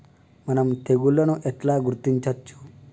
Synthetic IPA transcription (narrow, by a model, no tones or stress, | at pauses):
mənəmt̪ʰeɡulːənũʔeʈlaɡuɾut̪ːint͡ʃʰət̪ːt͡ʃʰu̥